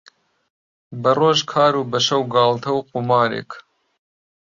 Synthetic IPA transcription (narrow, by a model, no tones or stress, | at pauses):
bɐroːʒkʰɑːɾuːbɐʃɐwɡɑːlt̪ʰɐwqumɑːɾḛk